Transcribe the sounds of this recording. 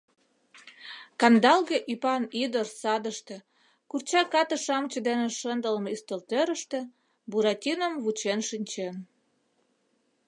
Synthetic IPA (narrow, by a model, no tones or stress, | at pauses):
kɑnd̪ɑlɣeʔipɑnid̪ərsɑd̪əʃt̪ĕ | kurt͡ɕɑkɑt̪əʃɑmt͡ɕəd̪eneʃənd̪əlmeyst̪əlt̪øɾəʃt̪ĕ | buɾɑtʲinəmβut͡ɕenʃinʲt͡ɕen